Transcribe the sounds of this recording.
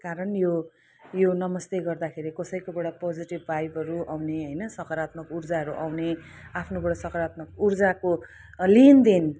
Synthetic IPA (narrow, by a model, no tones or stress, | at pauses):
kaɾʌnjo | jonʌmʌst̪eɡʌrd̪akʰeɾikʌsʌjkobeɽapod͡ziʈibːajbʌɾuawneɦʌjnʌsʌkʌɾat̪mʌkurd͡zaʌɾuʔawne | apʰnobʌɽʌsʌkʌɾat̪mʌkurd͡zako | lind̪eni